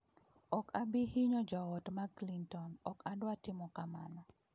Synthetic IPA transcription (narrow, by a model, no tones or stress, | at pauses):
ɔkʰabɪhɪɲɔd͡ʒaɔtmaklintɔnɔkadwatɪmɔkama̰na